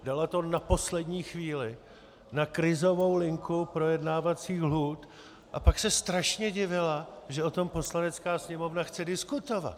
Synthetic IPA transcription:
dalat̪o̞napo̞slɛdɲiːxviːlɪ | nakɾɪzo̞vo̞wlɪŋkupɾo̞jɛdnaːvat͡siːxluːt̪ | ʔapaksɛst̪ɾaʃɲɛɟɪvɪlaʒɛʔo̞t̪o̞mpo̞slanɛt͡skaːsɲɛmo̞vnaxt͡sɛdɪskut̪o̞va̰t̪

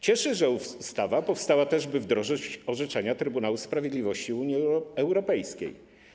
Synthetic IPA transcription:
t͡ɕɛʂɘʐɛufst̪avapɔfst̪awat̪ɛʐbɘvd̪ɾɔʐɪt͡ɕɔʐɛt͡ʂaɲat̪ɾɘbunawuspɾavʲjed̪lʲivɔɕt͡ɕiuɲiɛwɾɔpɛjskʲḛj

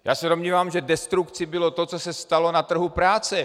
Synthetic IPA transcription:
jaːsɛdomɲiːvaːmʒɛdɛst̪ɾukt͡sɪbɪlot̪o̞t͡sosɛst̪alo̞nat̪r̩ɦupɾaːt͡sɛ

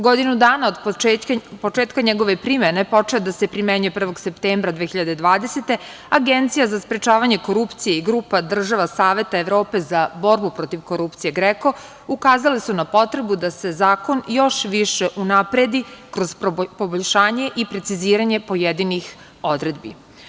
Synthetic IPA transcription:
ɡod̪inud̪aːnaod̪ | po̞t͡ʃeːt̪kaɲeɡo̞ʋe̞pɾimene̞po̞t͡ʃelad̪ase̞pɾimeɲuje̞pr̩ʋo̞ɡsept̪eːmbɾad̪ʋeːçiʎad̪ed̪ʋaːd̪eset̪e̞ | aɡent̪sijazaspɾet͡ʃaːʋaɲe̞ko̞ɾupt̪sijeiɡɾuːpad̪r̩ʒaʋasaːʋe̞t̪aeʋɾo̞ːpe̞zabo̞ɾbupɾo̞t̪iʋko̞ɾupt̪sije̞ɡɾeko̞ | ukaːzalisunapo̞t̪ɾe̞bud̪ase̞zaːko̞njo̞ʃʋiʃeʔunapɾed̪ikɾo̞zpo̞boʎʲʃaːɲe̞ʔipɾet̪siziːɾaɲe̞po̞jed̪inix | o̞d̪ɾe̞d̪bḭ

